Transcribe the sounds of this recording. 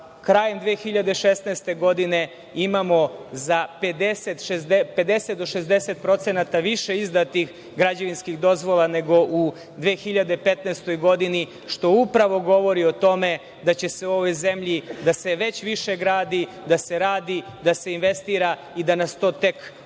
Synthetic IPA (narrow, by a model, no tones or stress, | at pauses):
kɾaːje̞md̪ʋeːxiʎad̪eʃest̪nejst̪e̞ɡo̞d̪ine | imamo̞zaped̪eset̪ʃezd̪epe̞d̪eset̪̚d̪o̞ʃezd̪e̞set̪̚pɾo̞t̪senat̪aʋiʃe̞izd̪at̪ix | ɡɾad͡ʑaʋinskixd̪o̞zʋolˠane̞ɡo̞ʔu | d̪ʋeːxiʎad̪epet̪nest̪o̞jɡo̞d̪ini | ʃt̪o̞upɾaʋo̞ɡo̞ʋo̞ɾio̞t̪o̞me̞ | d̪at͡ɕe̞se̞uo̞ʋo̞jzemʎid̪ase̞ʋe̞t͡ɕʋiʃeɡɾaːd̪i | d̪ase̞ɾaːd̪i | d̪ase̞inʋe̞st̪iːɾa | id̪anast̪o̞ːt̪e̞k